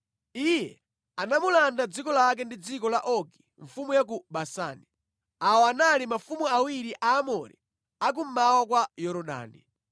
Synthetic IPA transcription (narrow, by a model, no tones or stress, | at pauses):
ijɛ | anamulandad͡zikɔlak̬ɛndid͡zikɔlaʔɔɡi̥ | ɱfumujak̬uɓasa̰ːni | awɔanalimafumuawiɾiʔaːmɔɾḭ | ak̬um̩mawak̬wajɔɾɔɗa̰ːnḭ